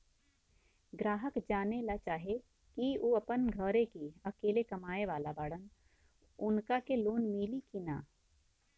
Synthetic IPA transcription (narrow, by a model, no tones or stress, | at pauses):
ɡɾaːɦəkd͡ʒaːnelat͡ʃaːɦe | kiuɐpənɡʱəɾekiɐkeːlekɐmaːeʋaːlabaːɽən | ʊnkakeloːnmiːlikina̰ː